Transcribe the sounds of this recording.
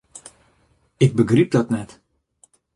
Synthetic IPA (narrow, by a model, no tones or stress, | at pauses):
ɪɡ̚bəɡrip̚dɔtnɛt